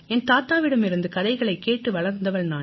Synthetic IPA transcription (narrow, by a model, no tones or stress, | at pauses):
ɛnt̪aːt̪aːʋɪɽɐmɪɾɯnd̪ɯkɐðɐɪɣɐɭɐɪkːeːʈːɯʋɐɭɐɾnd̪ɐʋɐɭnaː